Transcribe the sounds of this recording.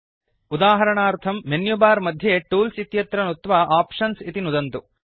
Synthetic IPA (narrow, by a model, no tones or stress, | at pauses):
ud̪aːɦɐɾɐɳaːɾt̪ʰɐmːenjubaːɾmɐd̪ʱjeʈuːlsit̪jɐt̪ɾɐnut̪ʋɐʔaːpʂɐnsit̪inud̪ɐnt̪u